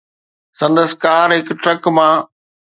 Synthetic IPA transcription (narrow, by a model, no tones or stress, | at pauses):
sɐ̃nd̪əskaːɾɦɪkʈɾɐkmã